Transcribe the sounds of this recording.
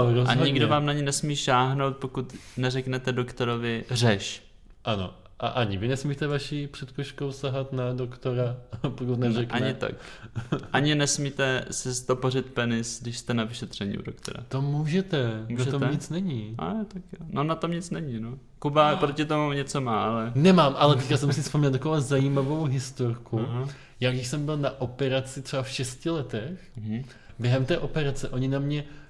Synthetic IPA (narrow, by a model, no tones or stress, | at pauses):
ɾozaɲɪɡdovaːmnaɲɪnɛsmiːʃaːɦno̞wt̪̚po̞kut̪nɛrɛknɛt̪ɛdokt̪o̞ɾovɪr̝ɛʃ | ʔano̰ | ʔa̰ʔaɲɪvɪnɛsmiːt̪ɛvaʃiːpr̥ɛt̪koʃkowsaɦat̪nadokt̪oɾapokut̪nɛɛkʔɲɲɪt̪a̰k | ʔaɲɪnɛsmiːt̪ɛsɪst̪oporɪt̪pɛnɪsɡdɪʃst̪ɛnavɪʃɛt̪r̝̥ɛɲḭṵdokt̪o̰ɾa̰t̪omuːʒɛt̪ɛmunatʒɛomɲɲɪt͡snɛɲɪa̰jot̪akjononat̪omɲɪt͡snɛɲɪno | kubapɾocɪt̪omuɲɛt͡somaːʔalɛnɛmaːmʔalɛt̪ɛckasɛmsɪfspomɛɲɛlt̪akovazajiːmavo̞wɦɪst̪oɾkʰu | jaːɡdɪʃsɛmbɪlnaʔo̞pɛɾat͡sɪt̪r̥ɛbafʃɛscɪlɛt̪ɛx | bjɛɦɛmt̪ɛːʔo̞pɛɾat͡sɛʔo̞ɲɪnamɲɛ